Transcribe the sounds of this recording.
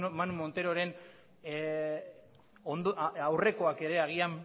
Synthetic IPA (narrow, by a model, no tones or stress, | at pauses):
manumo̞nt̪e̞ɾo̞ɾe̞n | ond̪awre̞ko̞ake̞ɾe̞aɣ̞iam